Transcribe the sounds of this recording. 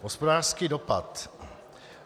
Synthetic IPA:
ɦospodaːɾskidopa̰t̪

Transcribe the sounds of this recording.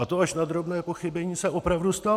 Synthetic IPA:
at̪oaʃnad̪ɾo̞bnɛːpo̞xɪbɛɲiːsɛʔo̞pɾavdust̪a

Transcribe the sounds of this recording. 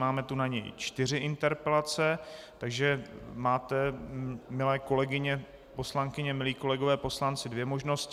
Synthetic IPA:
maːmɛt̪unaɲɛ̰jt͡ʃt̪ɪrɪʔɪnt̪ɛɾpɛlat͡sɛt̪aɡʒɛmaːt̪ɛ | mɪlɛːko̞lɛɡɪɲɛ | po̞slaŋkɪɲɛmɪliːko̞lɛɡo̞vɛːpo̞slant͡sɪdvjɛmo̞ʒno̞sc

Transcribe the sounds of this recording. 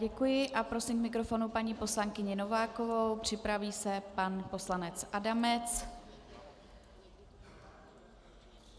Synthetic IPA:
ɟɛkujɪʔapɾo̞simkmɪkɾo̞fo̞nupaɲiːpo̞slaŋkɪɲɪno̞vaːko̞vowpr̝̥ɪpɾaviːsɛpanpo̞slanɛt͡sʔadamɛt͡s

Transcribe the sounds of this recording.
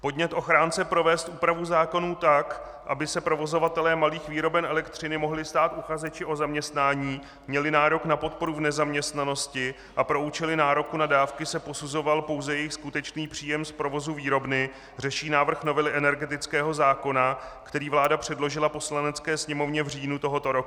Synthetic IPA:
po̞dɲɛt̪ʔo̞xɾaːnt͡sɛpɾo̞vɛːst̪ʔuːpɾavuzaːko̞nuːt̪ak | ʔabɪsɛpɾo̞vo̞zo̞vat̪ɛlɛːmaliːxviːɾo̞bɛnʔɛlɛkt̪r̝̥ɪnɪmo̞ɦlɪst̪aːt̪ʔuxazɛt͡ʃɪʔo̞zamɲɛst̪naːɲiː | mɲɛlɪnaːɾo̞knapo̞t̪̚po̞ɾuvnɛzamɲɛst̪nano̞scɪ | ʔapɾo̞ut͡ʃɪlɪnaːɾo̞kunadaːfkɪsɛpo̞suzo̞valpo̞wzɛjɛjɪxskut̪ɛt͡ʃniːpr̝̥iːjɛmspɾo̞vo̞zuviːɾo̞bnɪ | r̝ɛʃiːnaːvr̩xno̞vɛlɪʔɛnɛɾɡɛt̪ɪt͡skɛːɦo̞zaːko̞nakt̪ɛɾiːvlaːdapr̝̥ɛdlo̞ʒɪlaposlanɛt͡skɛːsɲɛmo̞vɲɛvr̝iːnut̪o̞ɦo̞t̪o̞ɾok

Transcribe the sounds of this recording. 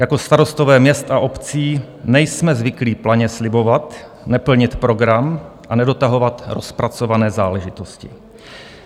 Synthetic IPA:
jako̞st̪aɾo̞st̪ovɛːmɲɛst̪aʔo̞pt͡siː | nɛjsmɛzvɪkliːplaɲɛslɪbo̞vat̪ | nɛpl̩ɲɪt̪pɾo̞ɡɾamʔanɛdo̞t̪aɦo̞vat̪ɾospɾat͡so̞vanɛːzaːlɛʒɪt̪oscɪ̰

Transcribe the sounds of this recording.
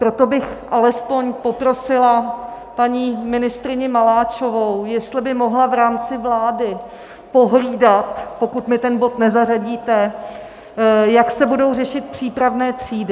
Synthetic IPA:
pɾo̞t̪o̞bɪxʔalɛspo̞ɲpo̞pɾo̞sɪla | paɲiːmɪnɪst̪ɾɪɲɪmalaːt͡ʃo̞vowjɛst̪lɪbɪmo̞ɦlavɾaːmt͡sɪvlaːdɪ | po̞ɦliːdat̪po̞kut̪mɪt̪ɛnbo̞t̪nɛzaraɟiːt̪ɛ | jaksɛbudo̞wrɛʃɪt̪̚pr̝̥iːpɾavnɛːt̪r̝̥iːdɪ

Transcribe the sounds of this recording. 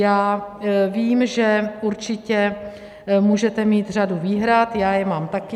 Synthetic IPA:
jaːviːmʒɛuɾt͡ʃɪcɛ | muːʒɛt̪ɛmiːt̪r̝aduviːɦɾat̪jaːjɛmaːmt̪akɪ

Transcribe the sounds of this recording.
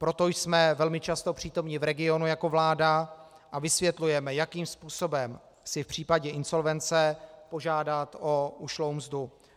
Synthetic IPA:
pɾo̞t̪o̞jsmɛvɛlmɪt͡ʃast̪o̞pr̝̥iːt̪o̞mɲɪvɾɛɡɪo̞nujako̞vlaːda | ʔavɪsvjɛt̪lujɛmɛjakiːmspuːso̞bɛm | sɪfpr̥iːpaɟɛʔɪnso̞lvɛnt͡sɛpo̞ʒaːdat̪o̞uʃlowmzdu

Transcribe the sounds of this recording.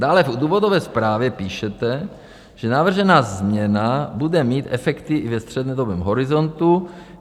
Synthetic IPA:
d̪aːlɛvd̪uːvodovɛːspɾaːvjɛpiːʃɛt̪ɛ | ʒ̥ɛnavr̩ʒɛnaːzmɲɛnabudɛmiːt̪ʔɛfɛkt̪ɪʔɪvɛst̪r̝̥ɛd̪nɛːd̪obɛːmɦoɾɪzo̞nt̪u

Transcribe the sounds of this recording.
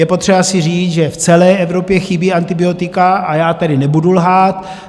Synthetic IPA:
jɛpo̞t̪r̝̥ɛbasɪr̝iːt͡sʒɛft͡sɛlɛːjʔɛvɾo̞pjɛxɪbiːant̪ɪbɪo̞t̪ɪkaʔajaːt̪adɪnɛbudulɦaːt̪

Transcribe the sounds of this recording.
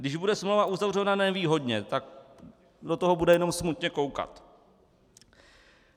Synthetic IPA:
dɪʒbudɛsmlowvaʔuzavr̝ɛvnanɛviːɦo̞dɲɛt̪ak̚ | dot̪oɦobudɛjɛnomsmut̪ɲɛko̞wka̰t̪

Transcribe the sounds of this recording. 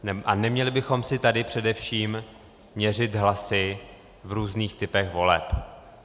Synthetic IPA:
ʔanɛmɲɛlɪbɪxo̞msɪt̪adɪpr̝̥ɛdɛfʃiːmː | ɲɛr̝ɪt̪ɦlasɪ | vɾuːzniːxt̪ɪpɛxvo̞lɛ̰p

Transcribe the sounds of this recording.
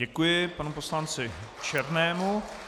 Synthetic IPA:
ɛkujɪpanupo̞slant͡sɪt͡ʃɛɾnɛːmu

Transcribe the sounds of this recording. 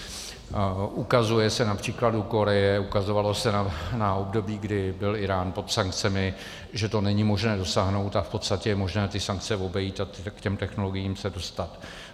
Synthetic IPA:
ʔukazujɛsɛnapr̝̥iːkladuko̞ɾɛjɛukazo̞valo̞sɛnanao̞bdo̞biːɡdɪbɪlɪɾaːnpo̞t̪saŋk̚t͡sɛmɪ | ʒɛt̪o̞nɛɲɪmo̞ʒnɛːdo̞saːɦno̞wt̪afpo̞t̪st̪acɛjɛmo̞ʒnɛːt̪ɪsaŋk̚t͡sɛvo̞bɛjiːt̪at̪kcɛmt̪ɛxno̞lo̞ɡɪjiːmsɛdo̞st̪at̪

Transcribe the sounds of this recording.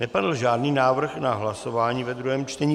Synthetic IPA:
nɛpadl̩ʒaːdniːnaːvr̩xnaɦlasovaːɲiːvɛd̪ɾuɦɛːmt͡ʃt̪ɛɲiː

